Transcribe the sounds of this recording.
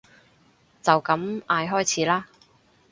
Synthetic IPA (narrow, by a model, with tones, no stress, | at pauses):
t͡sɐ˨wkɐ˨˥mʔaː˧jɦɔː˥jt͡sʰiː˨˥laː˥